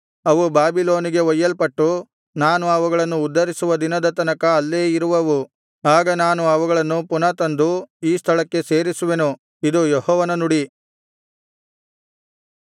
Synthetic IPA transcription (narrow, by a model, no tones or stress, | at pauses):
ɐʋubaːbilo̞ːniɡe̞ɔjːɐlpɐʈːu | naːnuɐʋuɡɐɭɐnːuːd̪ːɐɾisuʋɐd̪inɐd̪ɐt̪ɐnɐkɐːlːeːiɾuʋɐʋu | aːɡɐnaːnuɐʋuɡɐɭɐnːupunɐt̪ɐnd̪uiːst̪ʰɐɭɐkːe̞se̞ːɾisuʋe̞nu | id̪ujɔɦɔːʋɐnɐnuɽi